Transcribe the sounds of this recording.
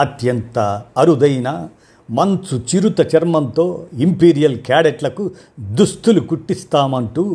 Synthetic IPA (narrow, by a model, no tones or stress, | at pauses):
ɐt̪jɐnt̪ɐɐɾud̪ɐjnɐ | mɐnsut͡ʃiɾut̪ɐt͡ʃɐɾmɐnt̪o̞ːimpiːɾijɐlkaːɽeʈlɐku | d̪ust̪ulukuʈːist̪aːmɐɳʈu